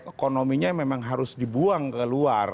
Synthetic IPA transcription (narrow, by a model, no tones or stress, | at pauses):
ekonomiɲamemaŋɦaɾʊsdibuaŋkəluar